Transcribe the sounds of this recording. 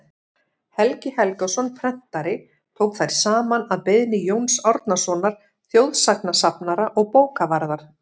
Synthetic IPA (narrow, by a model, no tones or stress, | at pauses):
hɛlcɪhɛlkasɔnpʰɾɛn̥t̪aɾɪ | t̪ʰowkθajɾ̥saːmanaðpɪðnɪjoːwnsɔɾt̪nasɔnaɾ̥ | θjowðsaknasapnaɾaʔɔɣpoːwkavaɾðaɾ̥